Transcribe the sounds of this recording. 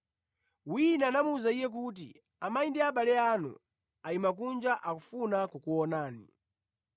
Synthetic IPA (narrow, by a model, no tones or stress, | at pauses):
winaːnamuuzaijɛk̬ut̬ḭ | amaindiaɓalɛaːnṵ | aimak̬und͡ʒaʔakufunakukuɔnaːnḭ